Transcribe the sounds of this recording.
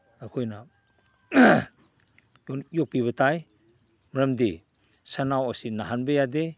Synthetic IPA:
akʰojna | jɔk̚piβətʰaj | mɾəmde | sanawasinːaɦanbejade

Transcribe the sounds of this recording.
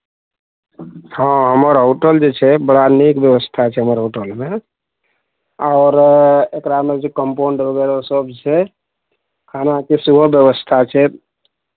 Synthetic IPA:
hə̃ɦəməɾɦuʈəld͡ʒet͡ʃʰɛbəɽanikbjəʋəst̪ʰat͡ʃʰɛɦəməɾɦoʈəlme | aʊɾekɾamed͡ʒt͡ʃʰɛkəmpoɳɖbəɡeɾosəbt͡ʃʰɛ | kʰanakesubʱəbjəʋəst̪ʰat͡ʃʰɛ

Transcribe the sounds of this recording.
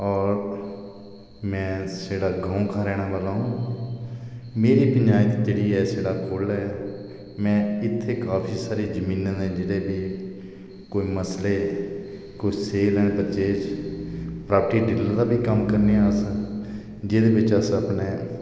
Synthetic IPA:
ɔːɾ | mɛ̃ːseːɽaːɡaːũkʰaːɾɛːɽ̃aːʋalãːũː | meːɾiːpənd͡ʒaːit̪ːt̪eːɽiːɛːseːɽaːkʰoːlɛː | mɛ̃ːɪt̪ʰːeːkaːpʰiːsaːɾeːd͡ʒəmĩːnət̪ɛ̃ːd͡ʒeːɽeːbiː | koːiːməsleː | koːiseːlɛ̃ːpəɾt͡ʃeːd͡ʒ | pɾaːpəʈiːɖɪləd̪aːbiːkəmkəɾneːaːsə̃ | d͡ʒeːd̪eːbɪt͡ʃəsəpɳeː

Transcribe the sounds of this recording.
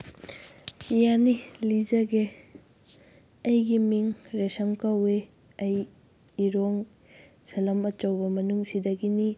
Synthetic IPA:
janilizɐɡe | ɐjɡimiŋɾesɐmkɐwe | ɐj | iɾoŋ | sɐlɐmɐt͡ʃɐwbɐmɐnuŋsidɐɡini

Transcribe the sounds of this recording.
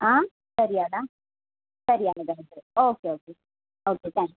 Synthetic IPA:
ãː | sɐɾɪjaːlaː | sɐɾɪjaːlɐɡɐnɐsɐɾioːkeoːke | oːket̪ãːŋk

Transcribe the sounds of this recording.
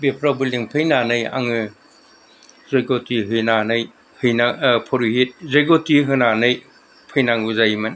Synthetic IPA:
bepʰɾabɯliŋpʰɯjnanɯja̰ŋɯ | zajɡotiɦɯjnanɯj | hɯjnapʰɔɾiɦit̚zajɡotiɦɯnanɯj | pʰɯjnaŋɯzajmɯn

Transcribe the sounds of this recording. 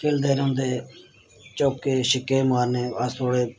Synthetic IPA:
kɪld̪eːɾoʊnd̪eː | t͡ʃoːkːeːʃɪkeːmaːɾneːəst̪ʰoːɽeː

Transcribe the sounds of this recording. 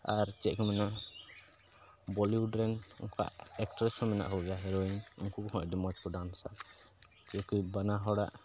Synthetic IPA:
aɾt͡ʃɛʔkɔmɛnaʔ | bɔliuɖɾɛnɔ̰ŋka̰ʔɛk̚ʈɾɛsɔmɛna̰ʔkɔɡɛjaɦɛɾɔiɲɔŋkukhɔ̃ʔɖimɔt͡ʃkɔɖansa̰ | t͡ʃɛkibanaɦɔɽa̰ʔ

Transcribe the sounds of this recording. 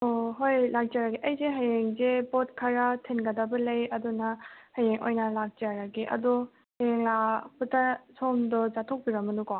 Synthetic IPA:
oɦojlak̚d͡ʒaɾaɡiʔɐjzeɦajeŋzepot̚kʰaɾatʰenɡɐdabɐlɐjɐdunahɐjeŋo̰jnɐlak̚d͡ʒaɾaɡiʔɐ̰du | hɐjeŋlaputʰasʰomdɔzatʰok̚biɾɐmɐnukɔ

